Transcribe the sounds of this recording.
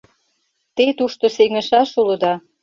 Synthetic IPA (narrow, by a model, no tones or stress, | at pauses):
t̪et̪uʃt̪osemə̆ʃɑʃulə̆d̪ɑ